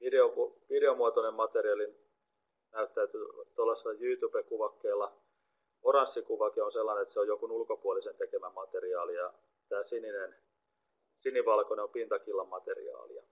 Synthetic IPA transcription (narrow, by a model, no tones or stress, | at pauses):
ʋideopuʋideomuɑt̪onemmɑt̪eriɑlin | næyt̪ːæyt̪yt̪olːɑselːɑjyːt̪uːpekuʋɑkːeːlːɑ | orɑnsːikuʋɑkionselːɑnenet̪seojokunulkopuolisent̪ekemæmɑt̪eriɑːlijɑ | t̪æːsininen | siniʋɑlkoneompint̪ɑkilːɑmmɑt̪ḛrḭɑ̰ːlḭɑ̰